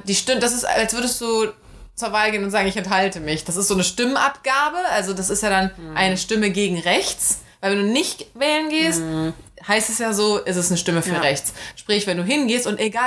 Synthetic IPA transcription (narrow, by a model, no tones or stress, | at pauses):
d̥iːʃtɪmədas̬ɪstalstvʏɐɾəstd̥uː | t͡suːɐvaːlɡeːənʊntzaːɡŋ̩ɪçɛnthaltəmɪçd̥asɪstz̥oːnəʃtɪmənʔapɡ̥aːbəʔalzodasɪstjaːdanʔaɪnəʃtɪməɡeːɡŋ̩ʁɛçt͡svaɪlvɛnduːnɪçtvɛːlənɡeːsthaɪstɛsjaːzoːʔɛs̬ɛsnəʃtɪməfyːɐʁɛçt͡sʃpʁ̥ɪçvɛnduːɦɪnɡeːstʊnteɡaː